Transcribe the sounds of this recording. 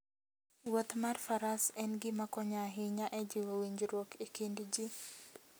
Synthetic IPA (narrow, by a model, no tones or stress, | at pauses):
wot̪marfaɾasɛnɡɪmakɔɲaɦɪɲaʔɛd͡ʒɪwowiɲd͡ʒɾwokʰekindd͡ʒi